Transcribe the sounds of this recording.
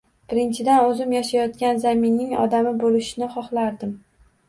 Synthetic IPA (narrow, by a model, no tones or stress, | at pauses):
b̥ɪɾɪnt͡ʃʰɪd̪anɵzɪmjaʃajɒt̪kʲanzamɪnːɪŋɒ̰d̪amɪbolɪʃɪnɪχɒχlˠaɾd̪ɪm